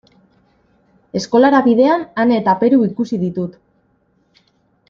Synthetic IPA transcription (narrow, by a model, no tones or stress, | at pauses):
e̞sko̞laɾaβiðe̞ananet̪ape̞ɾuikusiðit̪ut̪